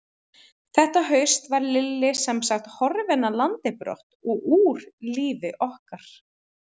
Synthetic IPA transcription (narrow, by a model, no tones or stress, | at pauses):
θɛht̪aɦœɥst̪vaɾlɪlːɪsɛmsaxt̪hɔɾvɛnːalant̪ɪpɾɔ̰ht̪ɔɣuːɾliːvɪʔɔhkaɾ̥